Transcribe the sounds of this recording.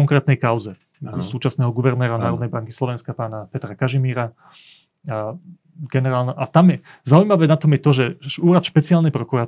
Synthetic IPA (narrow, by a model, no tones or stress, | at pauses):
ɔŋkɾɛːt̪nɛjkaʊzɛ | suːt͡ʃasnɛːɦɔɡuʋɛɾnɛːɾanaːɾɔd̪nɛjbaŋkislɔʋɛnskapaːnapɛt̪ɾakaʒimiːɾa | ɡɛnɛɾaːlnɔʔat̪amjɛ | zaujmaʋɛːnat̪ɔmjɛt̪ɔʒɛuːɾat̪ʃpɛt͡siaːlnɛjpɾɔkuɾa